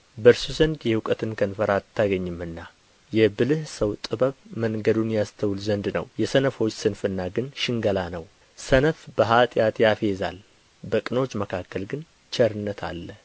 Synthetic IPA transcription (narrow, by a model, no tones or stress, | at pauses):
bəɾsuzənd̪jɛhukʼət̪ʰɨnkʰənfəɾat̪ʰːaɡəɲːɨmɨnːa | jɛbɨlɨhsəwt̪ʼɨbəβməŋɡəd̪unjast̪ʰəwlzənd̪nə̰wjɛsənəfo̞t͡ʃːsɨnfɨnːaɡɨnʃɪŋɡəlanəw | sənəfbəɦat̪ʼjat̪jafe̞za̰l | bəkʼɨno̞t͡ʃːməkʰakːəlɡɨn | t͡ʃʰɛɾɨnːət̪ʰa̰lːə